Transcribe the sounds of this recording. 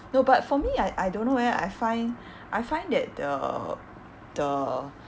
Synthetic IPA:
nobatfɔmiajʔajdõnːowɛa̰jfãɪ̃n | ʔajfãɪ̃ndɛt̚də̰ | d̥ə

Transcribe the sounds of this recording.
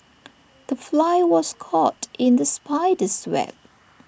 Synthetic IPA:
ð̥əflaɪwɔskʰɔtʔɪ̃nðəspʰaɪdəswɛ̰p̚

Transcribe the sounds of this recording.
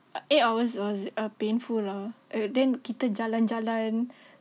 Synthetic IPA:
ʔetawəswɔsapẽnfulaʔdɛ̃nkit̪əd͡ʒaland͡ʒalan

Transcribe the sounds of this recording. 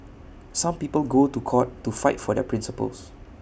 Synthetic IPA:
sãmpiːpəlɡotukʰɔtːufaɪtfɔdɛ̰pʰɹɪ̃nsipə̰ls

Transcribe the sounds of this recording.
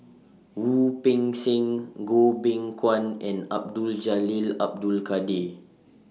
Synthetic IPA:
wupĩŋsĩŋɡobɛ̃ŋkʰwãnɛ̃nap̚duld͡ʒalilap̚dulkade

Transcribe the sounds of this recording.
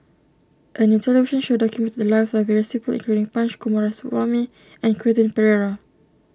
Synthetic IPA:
ʔənjutʰɛlɛviʃə̃nʃodɔkjumɛ̃ntt̚d̪əlaɪfsɔfvɛɹiəspipəlḭ̃ŋkluɾĩŋpãnt͡ʃkumɔɹasuʔami | ɛ̃nkʰɹietə̃npɛɹɛɹa

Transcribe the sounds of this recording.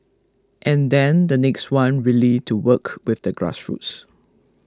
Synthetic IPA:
ʔɛ̃ndɛ̃ndənɛkstwãnɹilituwəkwɪfdəɡɹa̰sɹṵts

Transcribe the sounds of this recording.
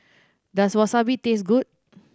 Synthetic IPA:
daswɔsabit̪es̬ɡut̚

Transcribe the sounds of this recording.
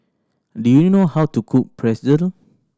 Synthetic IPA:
dujunohawtukʰuppʰɹɛsidə̃n

